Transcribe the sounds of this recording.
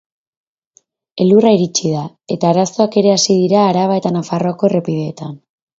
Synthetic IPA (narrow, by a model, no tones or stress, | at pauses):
e̞luraiɾit͡ʃiða | e̞t̪aːɾaso̞ake̞ɾe̞asið̞iɾaːɾaβae̞t̪anafaro̞ako̞erepiðe̞ːt̪an